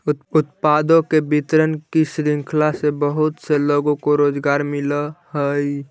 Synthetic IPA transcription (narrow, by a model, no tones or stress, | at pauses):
ʊt̪̚pad̪õkebit̪ɾənkisɾiŋkʰlasebəɦʊt̪seloɡõkoɾoːd͡ʒɡaːɾmɪləhəj